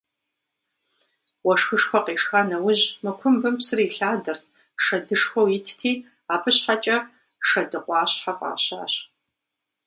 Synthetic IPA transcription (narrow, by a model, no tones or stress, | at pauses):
wɐʂxɨʂxʷɔqeːʂxanɐwʊʑmɨkʷʰʊmbɨmpsɨriːɬaːdɐr | ʂɐdɨʂxʷɐwjɪtʰtʰiː | aːpʰɨɕħat͡ʃʼɐ | ʂɐdɨqʷʼɑːɕħafʼa̰ːɕa̰ːɕ